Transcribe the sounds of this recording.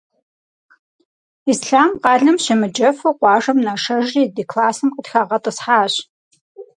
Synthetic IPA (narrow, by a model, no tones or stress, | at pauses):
iːsɬaːmqɑːɮɐmɕɪmɨd͡ʒɐfɨqʷɑːʒɐmnaʂɐʒriːdiːkʰlaːsɨmqətxaːʁɐtʼɨsħaːɕ